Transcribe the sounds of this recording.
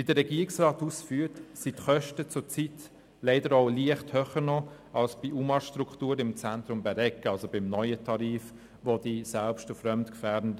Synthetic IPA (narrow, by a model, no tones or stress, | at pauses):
vidəɾɛɡiːɪksraːtusfyːtsitχœʃtət͡sʊt͡sit | leɪdəɾoʊliəχthøχənɔ | ɑlsb̥iʔumɑʃtɾukχtuːɾɪmt͡sæntɾʊmbɛɾɛkɑlsobɪmnɔʏətʰɑɾiːf | vod̥isælpʃtʊfɾœmtkfæːdn̩d